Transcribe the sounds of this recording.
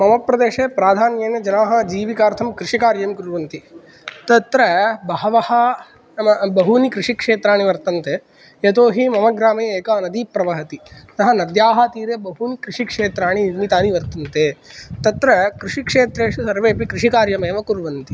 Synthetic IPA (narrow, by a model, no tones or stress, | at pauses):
mɐmɐpɾɐd̪eːʃeːpɾaːd̪ʱaːnjɐːnɐd͡ʒɐnaːɦɐd͡ʒiːʋikaːɾt̪ʰɐmkɾɪʂikaːɾjɐmkuɾʋɐnt̪i | t̪ɐt̪ɾɐbɐːɐʋɐhɐ | ɐmɐbɐɦunikɾiʂikʂeːt̪ɾaːɳiʋɐɾt̪ɐnt̪eː | et̪oːɦimɐmɐɡɾaːmeːeːkaːnɐd̪iːpɾɐʋɐɦɐt̪inɐɦɐnɐd̪jaːɦɐt̪iːɾebɐɦunikɾiʂikʂeːt̪ɾaːɳ̃inimit̪aːniʋɐɾt̪ɐnt̪eːt̪ɐt̪ɾɐkɾɪʂikʂeːt̪ɾeːʂusɐɾʋeːpikɾiʂikaːɾjɐmeːʋɐkuɾʋɐnt̪i